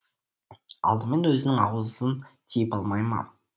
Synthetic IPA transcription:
ɑ̰lˠd̪əme̞nwɵzɪnɪŋɑ̰wlˠəzənt̪ʲʰejəpɑlˠmɑjmɑ̰

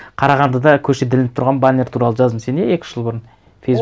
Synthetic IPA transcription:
qʰɑɾɑʁɑnd̪əd̪ɑkʲʰɵʃed̪ɪlɪnɪp̚t̪ʰʊɾʁɑnbanʲːeɾt̪ʰuɾɑlˠəʒɑzəmse̞neekʲɪ̥ʒ̥əlˠbʊɾən | fejs

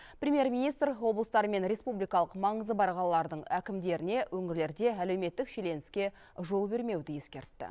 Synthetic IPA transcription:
prʲemije̞rmʲijnijst̪rwo̞blˠəst̪ɑɾme̞nɾe̞spublijkɑlˠəqmɑɴəzəbɑɾʁɑlˠːɑɾd̪əɴækʲɪmd̪e̞ɾɪne̞wɵŋɪɾle̞ɾd̪e̞æle̞wme̞t̪ːɪkʃe̞le̞nɪskʲe̞ | ʒo̞lˠbe̞ɾme̞wd̪ɪje̞skʲe̞ɾt̪ːɪ̰

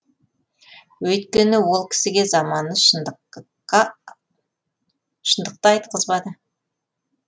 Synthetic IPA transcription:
wɵjt̪kʲe̞nɪwo̞lˠkʲʰɪ̥sɪɡʲe̞zɑmɑnːəʃ | ʃənd̪əq̚t̪ɑɑjt̪əqʰəzbɑd̪ə

